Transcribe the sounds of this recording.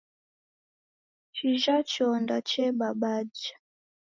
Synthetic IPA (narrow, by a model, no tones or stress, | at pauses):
t͡ʃiʒat͡ʃɔndat͡ʃɛɓaɓad͡ʒḁ